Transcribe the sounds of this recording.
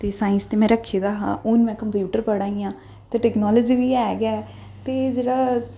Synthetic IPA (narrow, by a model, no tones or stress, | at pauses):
t̪eːsaːɪnst̪eːmɛ̃ːɾəkʰːeːd̪aːɦã̰ːʔʊnmɛ̃ːkəmpjuːʈəɾpəɽaːĩːãː | t̪eːʈɛːknɔːləd͡ʒiːʋiːɛːɡaː | t̪eːd͡ʒeːɽaː